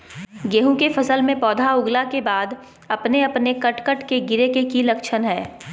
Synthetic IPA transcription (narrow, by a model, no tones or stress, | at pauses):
ɡeːɦũkefɐsəlmẽpɔːd̪ʱaʊɡlakebaːd̪ | ɐpneɐpnekɐʈkəʈkeɡɪɾekekilɐkʃʰənɦɛː